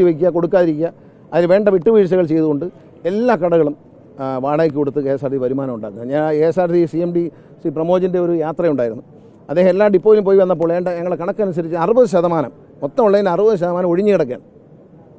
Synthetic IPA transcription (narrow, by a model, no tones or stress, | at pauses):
iʋɐk̬ʲːujɐko̞ɽukːaːðiɾikʲːuːɐ | ɐðinʋe̞ːɳɖɐʋiʈːuʋiːɾs̬ɐɣɐɭt͡ɕe̞jðuɣo̞ɳɖɨ | e̞lːaːkɐɽɐɣɐɭum | ʋaːɽaːk̬ʲːikoɽut̪ːɨeːsaːɾsiʋɐɾumaːnɐmuɳɖaːɣɨɐɲaːeːsaːrsisiemɖi | siprɐmo̞ːd͡ʑinde̞o̞ɾujaːt̪rɐjuɳɖaːjiɾunːu | ɐd̪ːeːhɐmelːaːmɖipːoːjilump̬o̞ːjʋɐnːɐp̬ːo̞ːɭe̞ːɳɖɐɲɐŋːɐɭekɐɳɐkːɐnus̬ɐɾit͡ɕːɨɐrɨbɐðɨɕ̬ɐðɐmaːnɐ̰m | mot̪ːɐmuɭːɐðindɐrɨbɐðɨɕ̬ɐðɐmaːnɐmo̞ɻiɲːɨkiɽɐk̬ːa̰ːn